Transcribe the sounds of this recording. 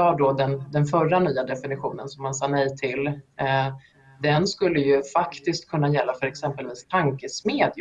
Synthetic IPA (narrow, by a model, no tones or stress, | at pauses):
ɑːɖɔd̪ɛnd̪ɛnfœɾːanyːad̪ɛfɪnɪɧṵːnənsɔmhansɑːnɛjt̪ʰɪl | d̪ɛnskɵlːəjɵfakt̪ɪskt̪̚kʰɵnːajɛlːafœɾɛksɛmpəlviːst̪ʰaŋkəsmeːd̪j